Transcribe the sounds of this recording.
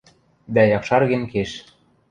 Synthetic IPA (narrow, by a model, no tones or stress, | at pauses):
d̪æjɑkʃɑrɣɘ̆nkeʃ